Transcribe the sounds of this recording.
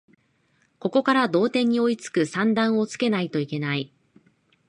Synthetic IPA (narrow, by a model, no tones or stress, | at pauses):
ko̞ko̞kaɾad̪o̞ːt̪ẽ̞ɲ̟ːio̞it͡sɨ̥kɯ̟sãnd̪ãɰ̃o̞t͡sɨ̥ke̞nait̪o̞ike̞nai